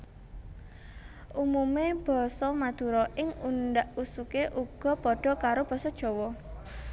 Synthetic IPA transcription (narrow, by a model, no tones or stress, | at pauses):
ʔumumeb̥ɔ̤sɔmad̪̥ṳɾɔʔɪŋunɖaʔusukeʔuɡ̥ɔ̤pɔɖ̥ɔ̤kaɾob̥ɔ̤sɔd̥ʒ̥ɔ̤wɔ